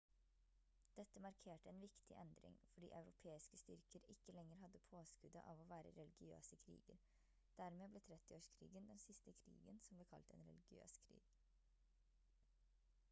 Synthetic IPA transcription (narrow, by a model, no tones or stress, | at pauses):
d̪̥ɛt̪ːəmɑɾkʰeːʈəɛːnʋɪkt̪ʰɪʔɛnd̪ɾɪ̰ŋfɔɖḭːʔɑʉɾʊpʰeːɪskəst̪ʏɾkəɾɪkːəlɛŋːəɾɦɑd̪ːəpʰoːskʉd̪ə̰ʔɑ̰ːʋoːʋæːɾə̰ɾɛlɪɡɪø̰ːsəkʰɾḭːɡəɾ | d̪̥æɾmeːbleːt̪ʰɾɛt̪ːɪoːʂkʰɾḭːɡənd̪ɛnsɪst̪əkʰɾḭːɡənsɔmblɛːkʰɑ̰lt̪ɛ̰ːnɾɛ̰lɪɡɪø̰ːskʰɾḭːɡ̥